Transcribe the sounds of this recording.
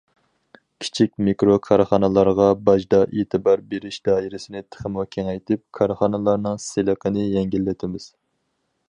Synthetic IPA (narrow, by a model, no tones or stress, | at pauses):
kʲʰi̥t͡ʃʰik̚ʲmikɾokʰɑɾχɑnɨlˠɑɾʁɑbɑʒd̪ɑʔeːt̪ʰɨbɑɾbeɾɪʃd̪̥ɑːiɾɪsɪnɪt̪ʰə̥χəmukʲʰɛŋɛjt̪ʰɪp̚kʰɑɾχɑnɨlˠɑɾnɨŋselˠəqʰənɨjɛŋɡʲilːɪt̪ʰɪmɪz̥